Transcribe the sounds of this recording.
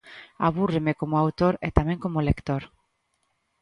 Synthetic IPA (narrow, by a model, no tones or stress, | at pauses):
a̰βuremekomoawt̪oɾet̪amẽŋkomolekt̪oɾ